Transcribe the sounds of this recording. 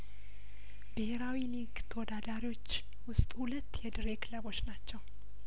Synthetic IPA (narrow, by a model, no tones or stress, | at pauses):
b̥ɨheɾawiliɡt̪ʰəwɔd̪ad̪aɾiwo̞t͡ʃː | wʊst̪ʼhulət̪ːjɛd̪ɨɾekʰləbo̞t͡ʃːnat͡ʃːɛw